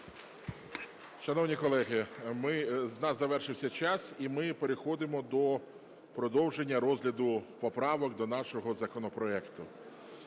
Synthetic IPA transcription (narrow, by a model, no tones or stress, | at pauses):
ʃɐnɔwnʲikɔlˠɛɦɪmɪznɑszɐʋɛrʃɪwsʲɐt͡ʃɑsimɪpeɾexɔd̪ɪmɔd̪ɔ | pɾɔd̪ɔwʒenʲːɐɾɔzʲlʲɐd̪ʊpɔpɾɑʋɔkd̪ɔnɑʃɔɦɔzɐkɔnɔpɾɔɛkt̪ʊ